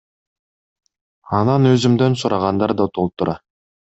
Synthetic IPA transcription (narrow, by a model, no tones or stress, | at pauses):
ɑnɑnøzymd̪ø̞nsuɾɑʁɑnd̪ɑɾd̪ɑt̪ʰolˠt̪uɾʔɑ